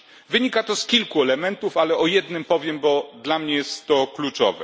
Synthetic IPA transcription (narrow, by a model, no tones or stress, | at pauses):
vɘɲikat̪ɔskʲilkuɛlɛmɛnt̪ufalɛɔjɛd̪nɘmpɔvʲjɛmbɔd̪lamɲɛjɛst̪ːɔklut͡ʂɔ̰vɛ̰